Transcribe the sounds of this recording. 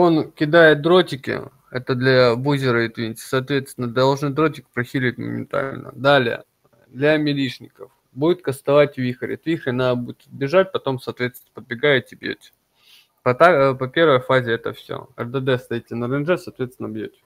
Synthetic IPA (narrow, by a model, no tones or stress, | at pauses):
o̞nkʲɪd̪ajɪt̪̚d̪ɾo̞tʲɪkʲɪ̰ | ɛt̪əd̪lʲɐbuzʲɪɾəɪt̪vʲinʲsʲɪ̥sɐːt̪vʲet̪st̪ʲɪnəd̪ʲd̪ɐlˠʐnɨd̪ɾo̞tʲɪkʲɪ̥pɾɐxʲilʲɪtʲmə̰mʲɪ̰nt̪a̰lʲnə̰d̪alʲɪjə̰ | d̪lʲɐmʲɪlʲiʂnʲɪkəf | budʲɪt̪̚kəst̪ɐvatʲvʲixəɾʲɪ̰t̪vʲixɪɐnabudʲɪt̪ɐd̪bʲɪʐat̚ʲpɐt̪o̞msɐːt̪vʲesʲɪnəpəd̪̚bʲɪɡajɪt̪t̪ʲɪbjḛtʲ | pɐt̪apɐpʲe̞rvəjfazʲɪɛt̪əfsʲo̰ɛ̰rd̪əd̪ɛst̪ɐitʲːɪnəɾɨnʐɛsɐːt̪vʲet̪sʲɪnɐbjotʲ